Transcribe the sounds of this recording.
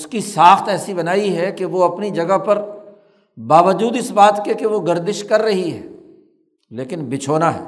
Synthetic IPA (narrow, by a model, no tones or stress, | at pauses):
ʊskisaːxt̪ɛːsibɐnaːiɦɛkeʋoɐpnid͡ʒɐɡapɐɾ | baːʋəd͡ʒuːd̪ɪsbaːt̪kekeʋoɡɐɾd̪ɪʃkɐɾːɐɦiɦɛː | leːkɪnbɪt͡ʃʰoːnaɦɛ̰ː